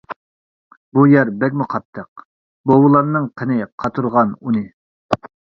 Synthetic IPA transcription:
bujɛɾbɛkʲmuqʰɑt̪ʰːəq̚ | bowulˠɑnːɨŋqʰənɨqʰɑt̪ʰuɾʁɑnunɨ

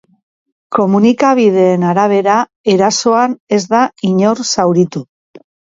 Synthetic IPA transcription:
ko̞munikaβ̞iðe̞ːnaɾaβ̞e̞ɾa | e̞ɾaso̞ane̞zd̪aiɲo̞ɾsawɾit̪u

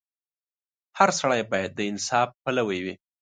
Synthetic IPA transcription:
haɾsaɽajbɑjad̪ːəɪnsɑfpalawəjwi

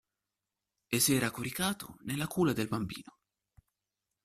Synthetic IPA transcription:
esɛːɾakoɾikaːt̪o̰nelːakuːlad̪elbambḭːno

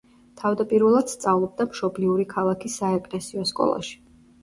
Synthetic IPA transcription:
t̪ʰavd̪apʼiɾvɛlˠad̪̥st̪sʼavlˠɔb̚d̪amʃɔbliuɾikʰalˠakʰisːaɛkʼlɛsiɔskʼɔ̰lˠa̰ʃi̥

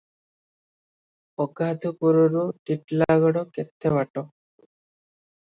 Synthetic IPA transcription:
ɔɡad̪ʱupuɾɔɾuʈiʈlaɡɔɽɔkɛt̪ʰːɛwaʈɔ

